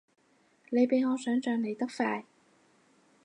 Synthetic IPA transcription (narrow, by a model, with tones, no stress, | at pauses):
ne˨˧jpe˨˧jŋɔː˨˧sœː˨˥ŋt͡ʃœː˨ŋne˨˧jt̪ɐ˥k̚faː˧j